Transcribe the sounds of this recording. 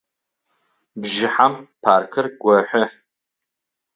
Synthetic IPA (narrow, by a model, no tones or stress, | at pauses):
bʒɪħampʰaːrkʰɨrɡʷɔħʷɔ